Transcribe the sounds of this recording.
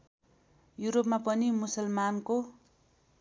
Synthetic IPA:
juɾopmapʌnimusʌlmanko

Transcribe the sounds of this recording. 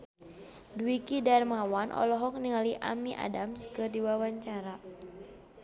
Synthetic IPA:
duikidarmawanʔɔ̰lɔɦɔk̚niŋaliʔa̰miʔa̰damskədiwawaɲt͡ʃaɾa

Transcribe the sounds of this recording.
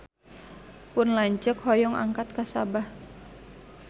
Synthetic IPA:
pʊnlaɲt͡ʃəkhɔjɔŋa̰ŋkat̪̚kasabah

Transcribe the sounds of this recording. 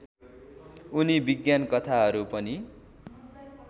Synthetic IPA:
unibiɡjankʌt̪ʰaɦʌɾupʌni

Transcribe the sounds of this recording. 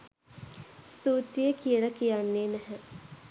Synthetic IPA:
st̪uːt̪ijəkijələkijanːeːnæɦə

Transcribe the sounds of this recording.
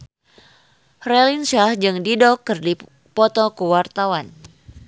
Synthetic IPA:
rɛlinsahd͡ʒɨŋdidɔkːɨrdi | pɔt̪ɔkəwart̪awan

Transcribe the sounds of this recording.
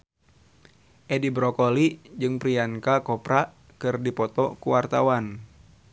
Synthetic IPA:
ʔɛdibɾɔkɔlid͡ʒɨŋpɾiaŋkakɔpɾa | kɨrdipɔt̪ɔkuwart̪awan

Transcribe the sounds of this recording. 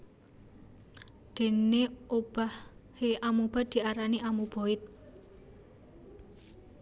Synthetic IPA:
d̪̥e̤neob̥ahheʔamub̥a̤d̪̥i̤aɾaniamub̥o̤ɪt̪̚

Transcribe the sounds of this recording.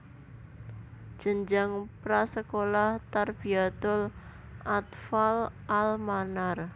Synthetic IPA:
d̥ʒ̥ə̤ɲd͡ʒaŋpɾasəkolaht̪arb̥iat̪ʊl | ʔat̪falʔalmanar

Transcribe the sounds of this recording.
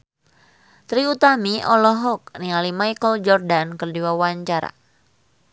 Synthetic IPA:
t̪ɾiut̪amiʔɔlɔɦɔk̚nialimajkəld͡ʒɔrdankərdiwawaɲt͡ʃaɾa̰

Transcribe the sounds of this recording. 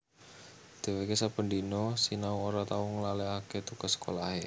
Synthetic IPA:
d̪̥e̤wekesapəɳdinɔsinauŋoɾat̪auŋlaleaket̪ukasə̥kolahe

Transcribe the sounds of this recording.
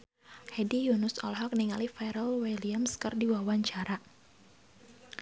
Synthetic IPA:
hɛdijunʊsɔ̰lɦɔk̚niŋalifɛɾəlwɛliamskərdiwawaɲt͡ʃaɾa

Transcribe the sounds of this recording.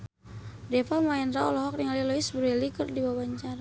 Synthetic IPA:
dɛfamaɛnɾaɔlɔɦɔk̚niŋalilɔisbəɾɛlikɨrdibawaɲt͡ʃaɾa

